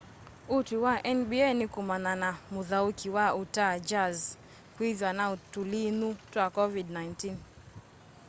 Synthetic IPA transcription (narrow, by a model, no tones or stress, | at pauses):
utiwaʔɛnbiɛnikumananamuðaukʰiwautad͡ʒaz | kwiðwanautulinutwakɔvidnajntin